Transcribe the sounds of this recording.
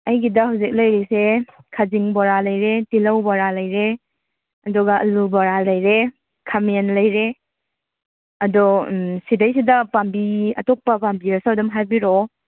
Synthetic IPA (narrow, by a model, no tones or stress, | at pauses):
ɐjɡidɐhawzik̚lɐjɾesekʰaziŋbɔɾalɐjɾetilɐwbaɾalɐjɾe | ɐdɔɡaʔɐlubaɾalɐjɾe | kʰamenlɐjɾe | ɐdɔsidajsidɐpambiɐ̰tɔk̚pɐpambiɾasadɔmɦajbiɾɔ